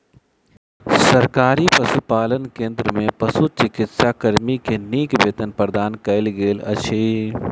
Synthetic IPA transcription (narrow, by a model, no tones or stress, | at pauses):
sɐɾkaːɾipɐsupaːlənkẽːnd̪ɾəmẽpɐsut͡ʃɪkɪt̪sakɐɾmikeniːkbeːt̪ənpəɾd̪aːnkɐɪlɡeːlɐ̰ʃʰiː